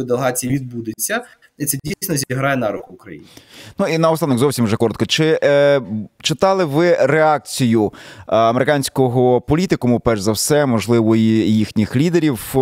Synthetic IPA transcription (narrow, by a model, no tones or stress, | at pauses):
d̪elˠeɦɑt͡sʲijiʋʲid̪̚bud̪ɪt͡sʲːɐ | it̪sɛdʲijsʲnɔzʲiɦɾɑjɛnɑɾuxʊkɾɐ̰jḭnʲnuinɐɔsɑnɔɣzɔwsʲimwʒɛkɔɾɔt̪kɔt͡ʃɪ | t͡ʃɪt̪ɑlˠɪʋɪɾeɑk̚t͡sʲijʊɐmeɾeɪkɑnʲsʲkɔɦɔpɔlʲit̪ɪkɔmʊpɛʒzɐwsɛmɔʒlˠɪʋɔjijixnʲixlʲid̪eɾʲiw